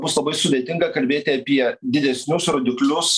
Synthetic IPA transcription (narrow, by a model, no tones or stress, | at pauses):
bʊslˠɐbɐɪsʊd̪ʲeːt̪ʲɪŋɡɐkɐlʲbʲeːt̪ʲɪɐpʲiɛd̪ʲɪd̪ʲɛsʲnʲʊsɾoːd̪ʲɪklʲʊs